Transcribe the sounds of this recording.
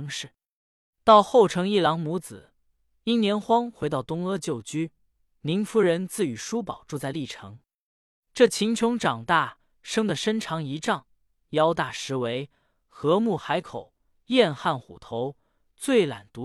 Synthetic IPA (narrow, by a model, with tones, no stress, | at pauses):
ŋʂɻ̩˥˩ | t̪ɑ˥˧ʊxo˥˩ʊʈ͡ʂʰɤ˧˥ŋi˥˩lɑ˧˥ŋmu˧˥t͡sɹ̩˨˩˦ | i˥nnjɛ˧˥nxwɑ˥ŋxwe˧˥ɪt̪ɑ˥˩ʊt̪ʊ˥ŋɤ˥t͡ɕjo˥˩ʊt͡ɕy˥ | ni˧˥nfu˧˥ɻə˧˥nt͡sɹ̩˥˩y˨˩ʂu˥pɑ˨˩ʊʈ͡ʂu˥˧t͡sa˥˧ɪli˥˩ʈ͡ʂʰɤ˧˥ŋ | ʈ͡ʂɤ˥˩t͡ɕʰi˧˥ŋt͡ɕʰjʊ˧˥ŋʈ͡ʂɑ˨˩ŋt̪a˥˩ | ʂɤ˥ŋd̪ə˨ʂə˥nʈ͡ʂʰɑ˧˥ŋi˧˥ʈ͡ʂɑ˥˩ŋ | jɑ˥ʊt̪a˥˩ʂɻ̩˧˥we˧˥ɪ | xɤ˧˥mu˥˩xa˧˥ɪkʰo˨˩ʊ | jɛ˥˧nxa˥˩nxṵ˨˩t̪ʰo˧˥ʊ | t͡swe˥˩ɪla̰˨˩nt̪u˧˥